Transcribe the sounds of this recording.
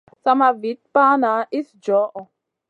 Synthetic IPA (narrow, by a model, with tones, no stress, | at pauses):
sa˧ma˧vi˨˦t̚paː˦na˨˦ʔi˦sd͡ʒɔ˨˦ʔɔ˨